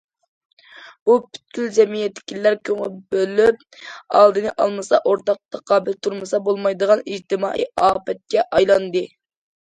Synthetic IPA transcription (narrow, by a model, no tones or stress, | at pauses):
b̥upʰy̥t̪̚kʲylzɛmijɛt̪ʰːɪ̥kʲilːæɾkʲʰøŋɪlbølːyp̚ | ɑlˠd̪ɨnɨʔɑlˠmɨsɑʔoɾt̪ɑq̚t̪ʰɑqʰɑːbɪlt̪ʰuɾmɨsɑbolˠmɑjd̪əʁɑnid͡ʒt̪ɪmɑ̰ːʔḭɑːpɛt̪̚kʲɛʔɑjlˠɑnd̪ɨ